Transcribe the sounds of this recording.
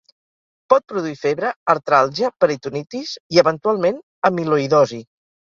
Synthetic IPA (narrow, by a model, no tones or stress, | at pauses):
pɔt̪̚pɾuðuifeβɾəːɾt̪ɾalˠʒəpəɾit̪unit̪iziəβənt̪ualˠmen | əmiluiðɔzi